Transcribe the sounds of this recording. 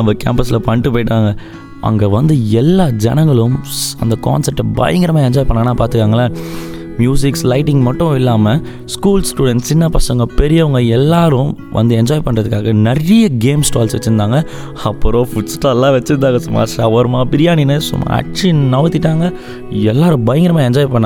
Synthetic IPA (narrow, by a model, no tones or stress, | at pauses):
nɐmbɐka̰ːmpɐsɪlɐpɐɳːʈːɯpoːjɪʈːaːŋɡɐ | ɐ̰ŋɡeːʋɐnd̪ɯɛlːaːd͡ʒɐnɐŋɡɐɭɯmɐ̰nd̪ɐka̰ːnsɐɾ̚ʈːbɐ̰ːjɐŋɡɪɾɐmaːɛɲd͡ʒaːjpɐɳːɐːɐnːaːpaːɾt̪ɯkːaːŋɡɐlaː | mjuːs̬ɪkslɐɪʈːɪŋɡmɐʈːʊ̃ɪlːaːmɐ | skuːlsʈuːɽɛɳʈt͡ʃːɪnːɐpɐsɐŋɡɐpɛɾɪjɐʋɐŋɡɐɛlːaːɾʊ̃ | ʋʔɐ̰nd̪ɯɛɲd͡ʒaːjpɐɳɾɐðɯkːaːɣɐnɛrɪjɐɡeːmsʈaːlsʋɛ̰t͡ʃːɯɾɯnd̪aːŋɡɐ | ɐpːɯɾõːfʊt͡ʃʈːaːlːãːʋɛt͡ʃːɯɾnd̪aːŋɡɐsʊmːa̰ːʂɐʋɐɾmaːpɪɾɪjaːninɯsʊ̰mːa̰ɐ̰ʈ̚t͡ʃːinɐʋɐt̪ːɪʈːaːŋɡɐ | ɛlːaːɾɯ̃bɐjɐŋɡɪɾɐmaːɛɲd͡ʒaːjpɐɳːã